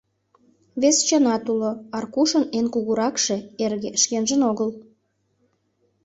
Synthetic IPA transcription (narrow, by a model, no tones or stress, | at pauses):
βest͡ɕenɑt̪uloɑrkuʃənenkuɣuɾɑkʃe̽erɣeʃkenʒənoɣəl